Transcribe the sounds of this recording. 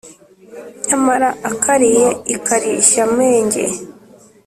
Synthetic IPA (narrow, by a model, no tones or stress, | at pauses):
ɲamaɾaakʰaɾijeikaɾiʃameːɲɟḛ